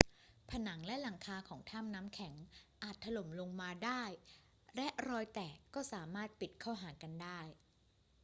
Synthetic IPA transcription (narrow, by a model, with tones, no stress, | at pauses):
pʰa˧na˩˦ŋlɛ˦˥ʔla˩˦ŋkʰaː˧kʰɔː˩˦ŋt̪ʰaː˥˩mnaː˦˥mkʰɛ˩˦ŋʔaː˨˩t̪ʰːa˧lo˨˩˦mlo˧ŋmaː˧daː˥˩j | lɛ˦˥ʔɾɔː˧jt̪ɛː˨˩kːɔː˥˩saː˩˦maː˥˩t̪̚pi˨˩t̪̚kʰaː˥˩wɦaː˩˦ka˧ndaː˥˩j